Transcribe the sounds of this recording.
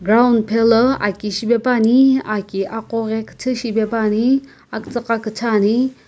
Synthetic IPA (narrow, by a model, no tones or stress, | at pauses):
ɡɾawndpʰeləa̰kiɕibepaniakiʔaqoɣekt͡sʰəɕibepani | akt͡səqakət͡sʰani